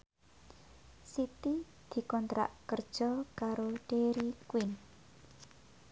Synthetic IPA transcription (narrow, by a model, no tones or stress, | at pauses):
sit̪i | d̪̥i̤kɔnt̪ɾa̰ʔkərd̥ʒ̥ɔkaɾoɖ̥eɾikwɪn